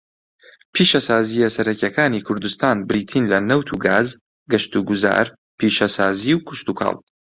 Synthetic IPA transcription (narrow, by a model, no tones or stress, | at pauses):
pʰiːʃɐsaːzijɐsɐɾɐkɐkaːniːkʰʊɾd̪ust̪aːnbɾiːt̪ʰiːnlɐnɐwt̪ʰuɡaːz | ɡɐʃt̪uɡuza̰ːɾ | pʰiːʃɐsaːziwkʰʊʃt̪ukʰɑ̰ːlˠ